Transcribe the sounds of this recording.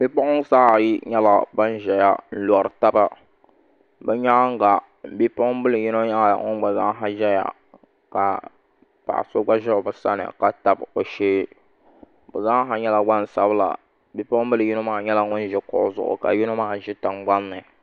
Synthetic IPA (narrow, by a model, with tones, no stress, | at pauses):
bi˦pɔ˦ʔʊ˦ŋsaː˦˨ji˦ɲɛ˦la˨ba˦n˦ʒɛ˨ja˦n̩˦lɔ˨ɾɨ˨ta˦ba˦ | bɨ˦ɲa˦ŋ˦ɡa˨ | bi˦pɔ˦m˦bɨ˦lɨ˨ji˦no˦ɲa˦la˦˨a̰˨ŋʊ̰˦ŋ˦ɡ͡ba˨za˦ɦa˦ʒɛ˦ja̰˨ | ka˨ | pa̰˨ʔso˦ɡ͡ba˦ʒɛ˦˨bɨ˨sa̰˦nɨ̰˨ka˨ta˨bo˨ʃeː˦ | bɨ˨za˦ŋ˦ɦa˨ɲɛ˦la˨ɡ͡ba˦n˨sa˦bɨ˦la̰˨ | bi˦pɔ˦bɨ˦lɨ˨ji˦no˦maː˦˨ɲɛ˦la˦ŋʊ˦n˦ʒɛ˨kɔ̰˨ʔzʊ̰˨ʔʊ̰˨ka̰˨ji˦no˦maː˦˨ʒɪ˦ta˨mɡ͡ba˦nːɨ˨